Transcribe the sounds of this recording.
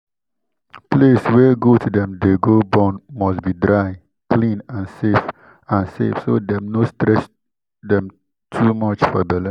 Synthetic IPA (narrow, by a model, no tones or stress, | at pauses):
pleswɛɡotʰudɛ̃mdeɡobãnmɔsbidɹaɪ | klĩnãnsef | ãnsḛfsodɛ̃mnostɹɛs | dɛ̃m | tʰumʌt͡ʃfɔbɛlə̃n